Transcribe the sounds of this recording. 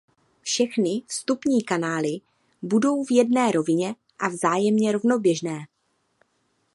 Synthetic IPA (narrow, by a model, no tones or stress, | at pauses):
fʃɛxnɪst̪upɲiːkanaːlɪ | budo̞wvjɛdnɛːɾo̞vɪɲɛ | ʔavzaːjɛmɲɛɾo̞vno̞bjɛʒnɛː